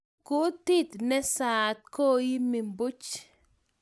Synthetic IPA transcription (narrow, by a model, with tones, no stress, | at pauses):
kʊ˦t̪i˦t̪nɛ˦saː˨t̪̚koː˦ji˦mi˨mbʊ˦t͡ʃ